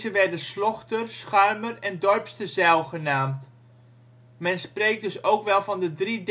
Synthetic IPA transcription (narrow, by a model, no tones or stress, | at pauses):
zəʋɛrdənslɔχtərsχœɥmərɛndɔrpstəzɛlˠχənaːmt | mɛnsprejk̚dɵsowkʋɛlˠvɑndədrid